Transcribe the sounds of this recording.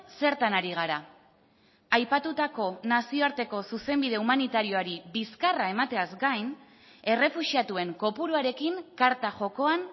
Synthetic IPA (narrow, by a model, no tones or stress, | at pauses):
se̞ɾt̪anaɾiɣ̞aɾa | ajpat̪ut̪ako̞nasio̞aɾt̪e̞ko̞suse̞mbiðe̞umanit̪aɾio̞aɾiβiskarae̞mat̪e̞azɡajn | e̞re̞fuʃiat̪ue̞ŋko̞puɾuaɾe̞kiŋkaɾt̪aʝo̞ko̞an